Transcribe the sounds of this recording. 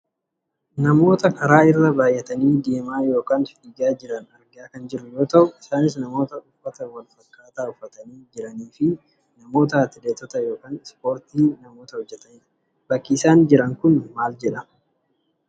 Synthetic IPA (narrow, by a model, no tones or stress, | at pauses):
nɐmo̞ːt̪ɐkɐɾaːɪrːɐbaːjːɛt̪ɐniːd̪eːmaːjo̞ːkaːnfiːɡaːd͡ʒɪɾɐnɐɾɡaːkɐnd͡ʒɪɾːʊjo̞ːt̪ɐʔʊɪsaːnɪs̬nɐmo̞ːt̪ɐʊfːɐt̪ɐwɐlfɐkːaːt̪aːʊfːɐt̪ɐniːd͡ʒɪɾɐniːfɪ | nɐmo̞ːt̪̬ɐɐt̪ɪd̪eːt̪ːɔt̪ɐjo̞ːkaːnspo̞ːɾt̪iːnɐmo̞ːt̪ɐhɔd͡ʒːɛt̪ɐnɪᶑɐ̥ | b̥ɐkːiːsaːnd͡ʒɪɾɐŋkʊnmaːld͡ʒɛᶑɐ